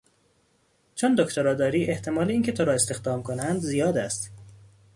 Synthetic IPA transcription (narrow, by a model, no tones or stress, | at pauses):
t͡ʃʰond̪okʰt̪ʰoɾɒːd̪ɒːɾiːʔe̞ht̪ʰe̞mɒːleiːncʰe̞t̪ʰoɾɒːe̞st̪e̞xd̪ɒːmkʰonænd̪zijɒːd̪æst̪